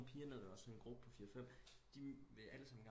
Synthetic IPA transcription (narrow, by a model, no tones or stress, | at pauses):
pʰiːɐneð̰ˠɒ̽sɒ̽ne̝nɡ̥ʁub̥əpʰɒ̽fiːɐɒfem̰ | d̥iʋeʔæləsɑ̈m̰̩ɡ̥